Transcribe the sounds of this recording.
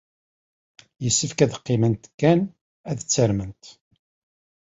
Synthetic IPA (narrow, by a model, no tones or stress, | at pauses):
jəsːəfkæðəqːɪmənt̪kːæn | æðət͡sːəɾmənt̪